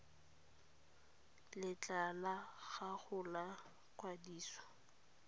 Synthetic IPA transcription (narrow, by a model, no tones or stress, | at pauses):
lɪt͡ɬʼalaɣaɣʊla | kʼwadiːsɔ̥